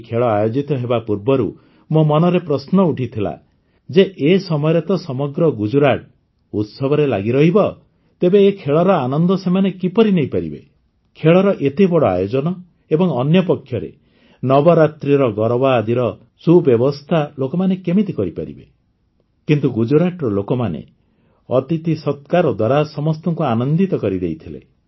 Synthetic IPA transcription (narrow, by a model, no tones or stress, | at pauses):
kʰeɭɔajod͡ʒit̪ɔɦebapuɾbɔɾu | momɔnɔɾepɾɔsnɔuʈʰit̪ʰila̰ | d͡ʒeʔesɔmɔjɔɾet̪ɔsɔmɔɡɾɔɡud͡ʒuɾaʈ̚ | ut̪sɔbʱɔɾela̰ɡiɾɔɦibɔ | t̪ebeːkʰeɭɔɾɔanɔnd̪ɔsemanekipɔɾinejpaɾḭbḛ | kʰeɭɔɾɔʔet̪ebɔɽɔa̰jod͡ʒɔnɔ | ebɔŋɔnjɔpɔkʰjɔɾḛ | nɔbɔɾat̪ɾiɾɔɡɔɾɔbaːd̪iɾɔ | subjɔbɔst̪ʰalokɔmanekemit̪ikɔɾipa̰ɾḭbḛ | kint̪uɡud͡ʒuɾaʈɾɔlokɔmanḛ | ɔt̪it̪isɔt̪kaɾɔd̪waɾasɔmɔst̪ɔŋkuanɔnd̪it̪ɔkɔɾid̪ejt̪ʰilḛ